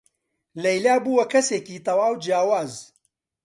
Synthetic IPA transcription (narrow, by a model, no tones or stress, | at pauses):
lɐjlaːbuːwɐkʰɐseːkiːt̪ɐwaːwd͡ʒjaːwaːz